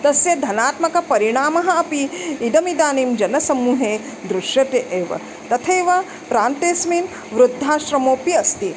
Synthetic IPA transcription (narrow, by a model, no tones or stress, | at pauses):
t̪ɐsjɐd̪ʱɐnaːt̪mɐkɐpɐɾiɳaːmɐɦɐ̆ɐpiːd̪ɐmid̪aːniːmd͡ʒɐnɐsɐmːuːɦeː | d̪ɾuʃjɐt̪eʔeːʋɐ̰ | t̪ɐt̪ʰeːʋɐ | pɾaːnt̪eːsmiːn | ʋɾud̪ʱːaːʃɾɐmoːpiɐst̪i